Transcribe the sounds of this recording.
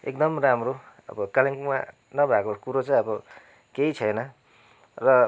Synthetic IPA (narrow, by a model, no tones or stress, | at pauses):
ek̚d̪ʌmramro | ʌ̰bʌkaliŋkuma̰ | nʌbʱakokuɾot͡saĩʌbʌ | keit͡sʰʌjnʌ | rʌ